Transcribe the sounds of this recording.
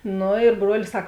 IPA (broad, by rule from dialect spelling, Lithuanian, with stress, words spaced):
ˈnʊ ɪr ˈbruɔlʲɪs ˈsɐk